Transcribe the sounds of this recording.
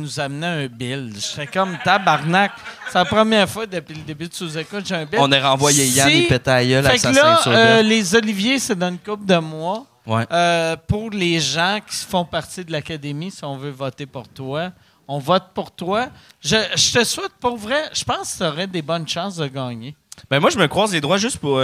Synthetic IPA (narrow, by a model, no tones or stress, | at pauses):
nuzamnɛɛ̃bɪlʒət̪ɛkɔmt̪abaʁnakselapχəmjɛːʁfwad̪əpɥiləd̪ebyd̪əsozekʊt̪ʒeɛ̃bɪɔ̃neʁɑ̃vwajejaiipɛt̪ɛːjœlafɛklʌlezɔlivjesed̪ɑ̃ynkʊp̚d̪əmwɔ | wɛøpʊʁleʒɑ̃kʲʰi̥sfɔ̃paʁt̪id̪əlakad̪emisiɔ̃vøvɔt̪epʊʁt̪wa | ɔ̃vɔt̪̚puʁt̪waʒəʒət̪əswɛt̪̚puʁvʁɛʒ̥əpɑ̃skə̥sɔʁɛd̪ebɔnʃɑ̃ːsd̪əɡɑːɲebɛ̃mwaʒəməkχwaːzled̪ʁwaʒʏst̪̚puʁ